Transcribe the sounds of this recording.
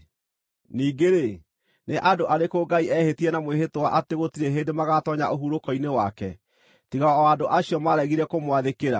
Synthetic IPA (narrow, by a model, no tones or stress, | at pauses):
niːɡeɾe | neʔadoʔaɾekoːɡaiʔɛhetiɛnamweɦetowaʔateɣotiɾeɦendemaɣatɔɲa̰ʔoɦuɾokɔinewa̰kɛ̰ | tiɣaɔɔadoʔaɕiɔmaɾɛɣiɾɛkomwaðekeɾa̰